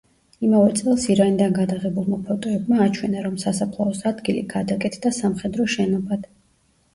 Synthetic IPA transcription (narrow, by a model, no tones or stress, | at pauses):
imavɛt̪sʼɛlˠsiɾanid̪anɡad̪aʁɛbulˠmapʰɔt̪ʼɔɛbmaːt͡ʃʰwɛnaɾɔmsasapʰlˠaɔsad̪ɡilḭɡ̥ad̪akʼɛt̪ʰd̪asamχɛd̪ɾɔʃɛnɔbad̪̥